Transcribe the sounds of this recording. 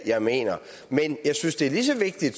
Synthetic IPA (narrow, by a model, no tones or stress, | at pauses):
jɑ̈ɪme̝̰ːnɐ | menjɑ̈ɪsynsd̥e̝æɐlis̬ɒ̽ʋe̝ɡ̥̚d̥id̥